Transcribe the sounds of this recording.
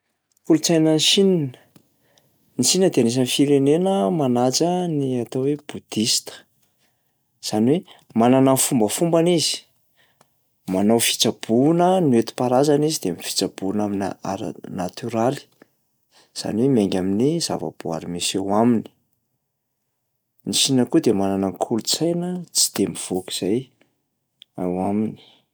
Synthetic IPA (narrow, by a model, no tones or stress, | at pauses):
kulut͡sajnənsinin | nisinəd̪eanes̬anifiɾenenəmanat͡səniat̪oweb̥ud̪̥ist̪ə̥ | z̥aniwemananafumbəfumbanizi̥ | manawfi̥t͡sab̥unənuet̪i̥paɾazanizid̪eamifi̥t͡sabunamina̰a̰ɾ̰nat̪yɾali̥ | z̥a̰niwemeŋɡʲaminiz̥a̰va̰b̥oa̰ɾimisawamini̥ | nisinəkud̪emananaŋkʰulut͡sajnət͡si̥d̪̥emiv̥oki̥z̥aj | awamini̥